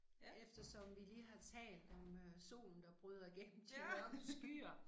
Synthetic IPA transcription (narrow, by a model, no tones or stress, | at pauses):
efd̥ɐsɒ̽mʋiliːɦɑ̈t͡sʰɛ̰ːld̥ɒ̽møso̝̰ːln̩d̥ɑ̈b̥ʁyð̞ˠɐiɡ̥en̰m̩eɒsɡ̥yːɐ